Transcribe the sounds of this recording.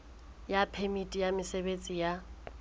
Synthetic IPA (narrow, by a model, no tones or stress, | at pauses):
japʰɛmitʼijamɪsebet͡sʼija